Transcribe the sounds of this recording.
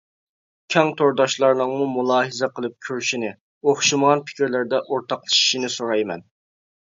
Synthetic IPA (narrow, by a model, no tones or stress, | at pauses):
kʲʰɛŋt̪ʰoɾd̪ɑʃlˠɑɾnɨŋmumulˠɑːɦɨzɛqəlˠɨp̚kʲʰøɾʃinɪ | oχʃiməʁɑnpʰɪ̥kʲiɾlɪɾd̪ɛʔoɾt̪ʰɑqlˠɨ̥ʃi̥ʃinɪsoɾɑjmɛ̰n